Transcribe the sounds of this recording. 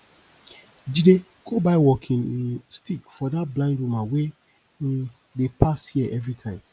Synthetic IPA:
d͡ʒide | ɡ̥obaɪwɔkʰĩnstikfɔdat̚blãɪ̃ndumãwe | depʰashiɛʔɛvɹitʰãɪ̃m

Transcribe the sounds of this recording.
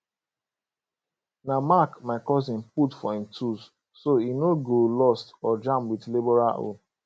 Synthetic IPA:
namakmaɪkɔzĩnputfɔĩmtʰus | soinoɡolɔstɔd͡ʒãmpwidlibɔɾa̰ʔo̰

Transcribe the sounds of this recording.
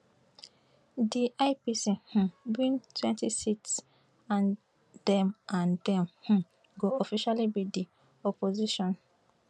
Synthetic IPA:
diʔaɪpisihũbĩntʰwɛ̃ntisits | ãn | d̥ɛ̃mʔãndɛ̃mhũ | ɡoɔfiʃalibidi | ɔpoziʃɔ̃n

